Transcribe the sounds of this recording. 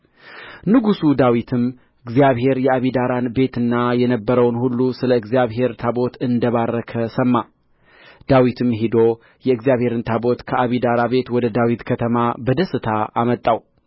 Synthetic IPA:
nɨɡusud̪awit̪ʰɨm | ʔɨɡzijaβɦe̞ɾjɛaβid̪aɾanbe̞t̪ɨnːajɛnəbːəɾəwnhulːusɨləɨɡzijaβɦe̞ɾt̪ʰabo̞t̪ʰɨnd̪əβarːəkʰəsəmːa | d̪̥awit̪ʰɨmɦid̪o̞ | jɛɨɡzijaβhe̞ɾɨnt̪ʰabo̞t̪kʰəaβid̪aɾabe̞t̪wɔd̪əd̪awit̪kʰət̪ʰəmabəd̪əsɨt̪ʰaʔamət̪ʼːaw

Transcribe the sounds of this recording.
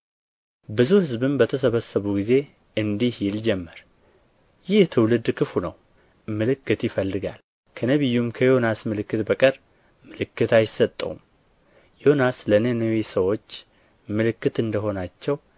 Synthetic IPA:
bɨzuhɨzbɨmbət̪ʰəsəβəsːəβuɡize̞ | ʔɨnd̪ihjɪld͡ʒɛmːəɾ | jɪht̪ʰɨwlɨd̪kʰɨfunə̰w | mɨlɨkːɨt̪jɪfəlːɨɡa̰l | kʰənəβɨjːumkʰəjo̞nasmɨlɨkːɨt̪bəkʼəɾ | mɨlɨkːɨt̪ajɪsət̪ʼːə̰ṵm | jo̞naslənənəwisəwo̞t͡ʃː | mɨlɨkːɨt̪ɨnd̪əɦo̞nat͡ʃːɛw

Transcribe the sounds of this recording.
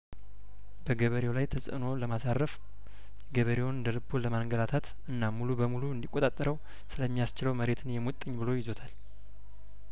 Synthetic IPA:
b̥əɡəβəɾewlajt̪ʰəsʼə̰no̞ləmasarːəf | ɛɡəβəɾewnɨnd̪əlɨbːoləmaŋɡəlat̪ʰat̪ | ʔɨnːamulubəmuluɨnd̪ikʼːot̪ʼat̪ʼːəɾəw | sɨləmːijast͡ʃɪləwməɾe̞t̪ʰɨnjɛmot̪ʼːəɲːbɨlo̞jɪzo̞t̪ʰal

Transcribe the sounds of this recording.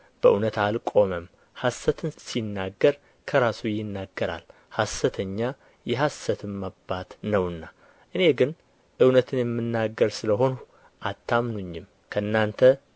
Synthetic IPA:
b̥əʔunət̪alkʼo̞məm | hasːət̪ʰɨnsinːaɡːəɾ | kʰəɾasujɪnːaɡːəɾa̰l | hasːət̪ʰəɲːa | jɛɦasːət̪ʰɨmːabːat̪nəwɨnːa | ʔɨne̞ɡɨn | ʔɨwnət̪ʰɨnjɛmːɨnːaɡːəɾsɨləɦo̞n | ʔat̪ʰːamnuɲːɪm | kʰəɨnːant̪ʰə

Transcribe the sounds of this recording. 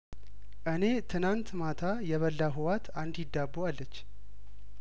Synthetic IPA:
ʔɨne̞t̪ʰɨnant̪mat̪ʰajɛβəlːaɦɨwat̪ʰand̪jɪd̪ːabualːət͡ʃː

